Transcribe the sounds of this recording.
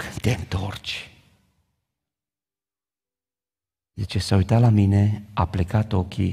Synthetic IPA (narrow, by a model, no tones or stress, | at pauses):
t̪ʲent̪ort͡ʃ | jet͡ʃesaujt̪alaminea̰plikat̪okʰḭ